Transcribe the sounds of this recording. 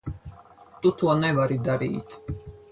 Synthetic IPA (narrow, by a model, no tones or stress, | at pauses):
t̪ʼut̪ʰuanɛvaɾid̪aɾḭːt̪ʰ